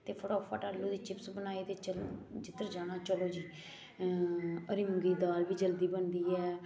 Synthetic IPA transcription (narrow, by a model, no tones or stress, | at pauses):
t̪eːpʰəɽɔːpʰaːʈaːlːuːd̪iːt͡ʃɪpsbənaːiːt̪eːt͡ʃəld͡ʒɪt̪ːəɾd͡ʒaːɽ̃aːt͡ʃəloːd͡ʒiː | əɾiːməŋɡiːd̪aːlbiːd͡ʒəld̪iːbənd̪iːɛː